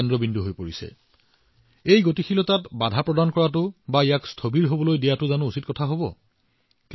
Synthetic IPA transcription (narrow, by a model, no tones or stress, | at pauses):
ɛndɔbindʱuɦojpoɹisɛ̰ | ejɡotixʰilɔtatbadʱapɹɔdankɔɹat̬ʊbaijakstʰobiɹɦobɔlojdijatʊzanʊusitkɔtʰaɦobɔ̰ | k